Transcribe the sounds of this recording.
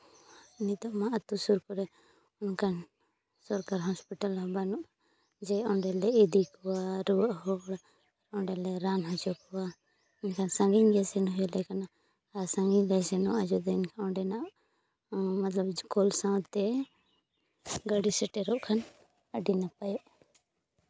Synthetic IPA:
inid̪ɔʔmaʔat̪usuɾkɔɾɛ | unkʰan | sɔɾkaɾɦɔspiʈalɔbanɔʔ | d͡ʒɛɔ̃ɳɖɛlɛid̪ikɔwaɾuəʔhɔɽa | ɔɳɖɛlɛɾanɦɔd͡ʒɔkɔwa | inkʰansãŋɡiɲɡɛsɛnɦɔjɔlɛkana | asãŋɡiɲlɛsɛnɔʔad͡ʒɔd̪ɛnkʰaɔ̃ɳɖɛnaʔ | mat̪labkɔlsãwt̪ɛ | ɡəɽisɛʈɛɾɔʔkʰan | əɖinapajɔʔ

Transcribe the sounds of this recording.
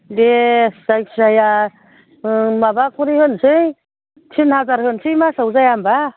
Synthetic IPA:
desajksaja | mabakʰuɾihɯnsɯj | tʰinhazaɾhɯnsɯjmasawzajamba

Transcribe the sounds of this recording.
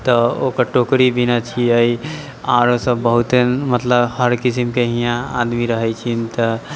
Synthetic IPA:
t̪ɔokəɾʈokɾibinat͡ʃʰiəi | aɾõsəbːəɦut̪emət̪ləbhəɾkisimkeɦijãa̰d̪miɾəɦɛt͡ʃʰint̪ə

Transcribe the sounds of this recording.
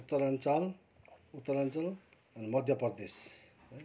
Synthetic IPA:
ut̪ːʌɾʌnt͡sal | ut̪ːʌɾʌnt͡sal | ʌnimʌd̪ʱjʌprd̪es | ʌj

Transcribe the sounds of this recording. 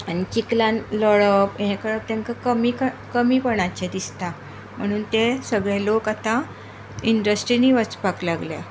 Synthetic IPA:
añit͡ɕiklanlɔɭəpɦɛ̃kəɭəp̚t̪ẽŋkakəmikəkəmiːpəɳ̃at͡ɕed̪ist̪a | m̤əɽ̃uːnt̪esəɡɭalokat̪ã | iɳɖəsʈɾiniʋət͡spaklaɡlja̰

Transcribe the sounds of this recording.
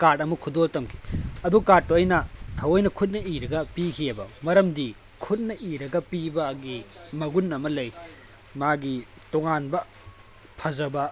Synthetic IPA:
kaɾtɐmukʰudoltɐmkʰi̥ɐdukatuɐjnɐtʰɐwɐjnɐkʰut̬̚nɐiɾɐɡɐpikʰiɐbɐmɐɾɐmdi | kʰut̚nɐʔiɾɐɡɐpibɐɡi | mɐɡunːɐmɐlɐj | maɡi | toŋanbɐ | pʰɐzɐbɐ

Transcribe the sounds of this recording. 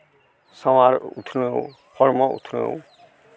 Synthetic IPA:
sɔwaɾṵt̪ʰnu | pʰɔɾmɔṵt̪ʰnṵ

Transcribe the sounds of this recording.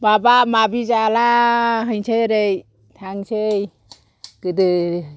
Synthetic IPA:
babamabʱid͡ʒalaɦəjt͡ʃʰeɾej | tʰaŋt͡ʃʰej | kɯdɯ

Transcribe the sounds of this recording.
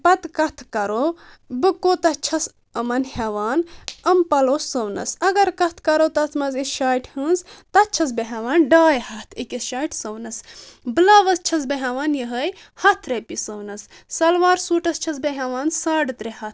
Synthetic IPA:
pɐt̪kɐt̪ʰkɐɾo | bɨkoːt̪ɐt͡ʃʰɐs | ɐmɐnhʲeʋaːnɐmpɐlosɐwnɐ̰sɐɡɐɾkɐt̪ʰkɐɾot̪ɐt͡smɐzisʃaːjʈʰhɨnzt̪ɐt͡ʃʰɐs̬beɦɐʋaːnɖaːjhɐt̪ʰikesʃaːjʈʰsɐwnɐsbɨlaːʋɐst͡ʃʰɐs̬beɦɐʋaːnjɐɦəj | hɐt̪ʰɾɐpisɐwnɐsːɐlʋaːɾsuːʈɐst͡ʃʰɐs̬beɦeʋaːnsaːɖɨt̪ɾehɐt̪ʰ

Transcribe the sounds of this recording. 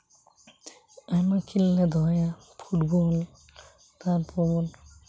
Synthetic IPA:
amakʰilːɛd̪ʱɔja | pʰuʈbɔl | t̪aɾpʰɔbɔl

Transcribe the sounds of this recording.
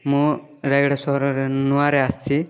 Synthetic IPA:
mũ | ɾɛɡɽɛsɔɦɾɔɾɛnuaɾɛast͡ʃi

